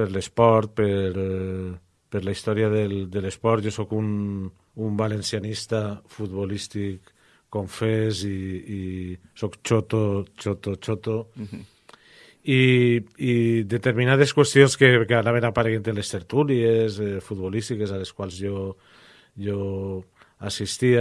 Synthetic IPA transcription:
peɾlespɔɾt̪̚peɾ | peɾlaist̪ɔɾiaðeld̪elespɔɾt̪ʒosɔkun | umbalensianist̪afut̪̚βolist̪ikː | omfeziː | sɔkt͡ʃot̪ot͡ʃot̪ot͡ʃot̪o | iid̪et̪eɾminað̞eskwest̪jonskekeanaβ̞enapaɾeɣent̪elest̪eɾt̪uliezɛfut̪̚βolist̪ikezaleskwalˠzʒo | ʒo | asist̪ia

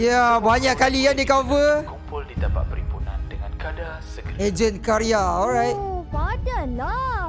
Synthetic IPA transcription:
jabaɲakːalikãndikavəkumpʊldidapa̰t̪̚pəɾimpunandəŋãnkada | səkəed͡ʒə̃nkaɾiaɔlɹajt̚badəna

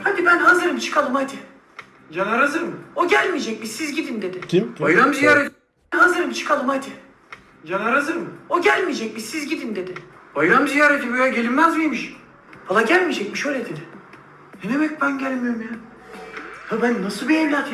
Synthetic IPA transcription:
hab̪ibænɦazɯɾɯmt͡ʃʰɯ̥kʰalˠɯmajd̪ɯ | d͡ʒanaɾazɯɾmɯoɟælʲmid͡ʒɛc̚misizɟid̪imd̪e̞d̪ɪajɯɾamzijaːɾet̪ | nɦazɯɾɯmt͡ʃʰɯ̥kʰalˠɯmajd̪ɯ | d͡ʒanaɾazɯɾmɯoɟælʲmid͡ʒɛc̚misizɟid̪imd̪e̞d̪ɪbajɯɾamizijaːɾet̪ʰimøjaɟelʲimmæzmjemiʃ | b̥alˠaɟælʲmid͡ʒɛc̚miʃøjlʲɛd̪e̞d̪ɪ | ned̪emɛc̚bænɟælʲmijoɾumja | h̪abænːasɯlˠbiɛmlʲaːt̪ʰ

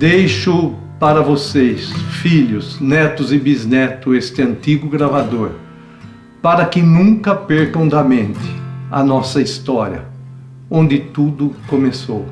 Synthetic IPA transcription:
d̪ejʃʊ | paɾɐvosejsfiʎʊznɛt̪ʊzɪbiznɛt̪ʊest̪ɪɐ̃nt̪iɡʊɡɾavad̪oɾ | paɾɐkɪnũŋkɐpeɾkɐ̃w̃d̪ɐmẽnt̪ɪ̥ɐ̰nɔsɐist̪ɔɾjɐ̰ | õnd̪ɪt̪ud̪ʊkomesow

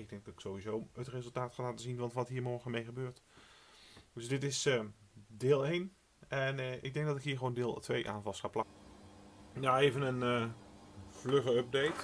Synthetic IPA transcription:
ɪɡ̚dɛŋɡ̚dɑtɪksowʋizowətrezəlˠtaːtχaːlaːtəzinʋɑntʋɑtɦiːɹmɔɹχəmejχəbøːɹt | d̥ɵsdɪtɪsəːdɪːlˠejn | ɛnʔɪ̰ɡ̚dɛŋɡ̚dɑtɪkɦiːɹχəʋoːwndɪːlˠtʋejʔa̰ːnvɑlˠsaːplɑ | jaejvənənə | v̥løχəɔp̚dejt

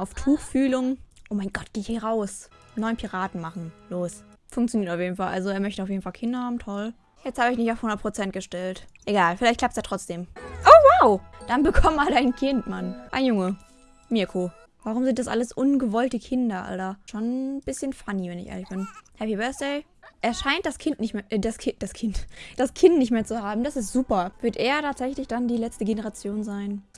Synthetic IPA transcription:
ʔaʊftʰuːxfyːlʊŋʔoːmaɪnɡ̥ɔt̚ɡ̥eːɪçhiːʁaʊsnɔʏnpʰiʁaːtn̩maχn̩loːsfʊŋk̚tt͡sjoniːɐtaʊfjeːdn̩falʔalzoeːɐmœçtəaʊfjedn̩falkʰɪndɐhaːbm̩tʰɔl | jɛt͡sthaːbəɪçnɪçtaʊfhʊndɐt̚pʁ̥ot͡sɛnt̚ɡ̥əʃtɛltʔeɡaːlfɪlaɪçt̚kl̥ap̚tseːɐtʁ̥ɔt͡sd̥eːmʔoːwaʊd̥anbəkʰɔməmaːlaɪnkʰɪntmanʔaɪnjʊŋə | mɪɐkʰo | vaʁ̞ʊmzɪnt̚d̥asʔa̰ləsʔʊnɡəvɔltəkʰɪndɐʔa̰ldɐʃoːnb̥ɪsçənfanivɛnɪçʔḛɐlɪçb̥ɪnhɛpibɜɐsd̥eɪ | ʔeːɐʃaɪntd̥askʰɪntnɪçdaskʰɪd̥askʰɪntd̥askʰɪntnɪçtmeːɐt͡suhaːbm̩d̥asɪstz̥uːpɐv̥ɪɐtʔeːɐtʰaːtz̥ɛçlɪçd̥andiːlɛt͡stəɡenəʁ̞at͡sjoːnzaɪn

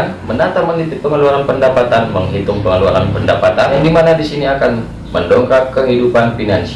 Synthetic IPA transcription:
nmənat̪amənit̪ɪp̚pːəŋəluaŋanpəndapat̪anməŋɦit̪ʊŋpəŋəlua̰ŋanpəndapat̪andimanadisiniakan | məndɔŋkakːəɦidupanfinans

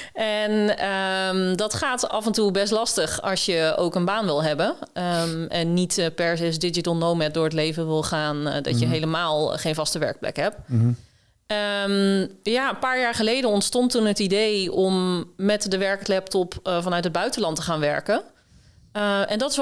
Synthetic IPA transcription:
ɛnəmdɑtχaːtɑvɛntubɛstlɑstəχɑ̰sjəo̰wkənbaːnʋɪlˠɦɛbənəɛnːitpɛɹzesdɪd͡ʒətəlˠnowmɛt̚dʊːɹətlejvənʋɪlˠχaːndɑ̰tjəɦejləmaːlˠχejnvɑstəʋɛ̰ɹk̚plɛ̰kɦɛp̚ | əmjaənpaːɹjaːɹχəlejdənɔntstɔntunɦətidejɔmːɛtdəʋɛɹklɛp̚tɔpvɑnœɥtɦəd̚bœɥtənlɑntəχaːnʋɛ̰ɹkə | ʔɛndɑtɪs

